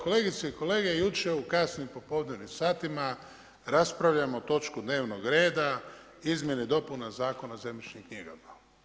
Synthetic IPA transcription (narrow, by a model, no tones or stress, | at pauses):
ko̞leɡit̪seiko̞le̞ːɡe̞jut͡ʃeukasnimpo̞po̞ʋd̪neʋnimsaːt̪ima | ɾaspɾaʋʎamo̞t̪o̞t͡ʃkud̪ne̞ːʋnoɡɾeːd̪a | izmje̞nid̪o̞punazaːko̞nazemit͡ʃɲimkɲiɡama